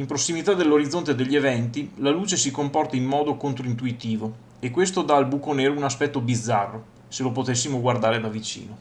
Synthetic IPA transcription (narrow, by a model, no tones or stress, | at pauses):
impɾosːimit̪ad̪elːoɾid̪zːont̪ed̪eʎːievɛnt̪ilaluːt͡ʃesikompɔrt̪aimːɔːd̪okont̪ɾoint̪uit̪iːvo | ekːwest̪od̪aːlbukoneːɾounaspɛt̪ːobid̪zːarːo | selopot̪esːimoɡward̪aːɾed̪avit͡ʃḭːno